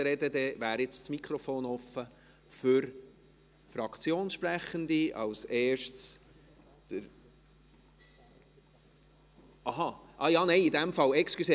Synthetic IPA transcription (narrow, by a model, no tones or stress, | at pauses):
ɾɛdəd̪ɛvæːɾɪt͡st͡smikʰχɾɔfoːnɔfə | fʏɾ | fɾɑkt͡sjoːnsʃpɾæχənd̪iɑ̰wsɛːʃts | d̪̥əɾ | ʔɑɦɑʔɑjɑːnɛɪid̪ɛmfɑlɛkskyse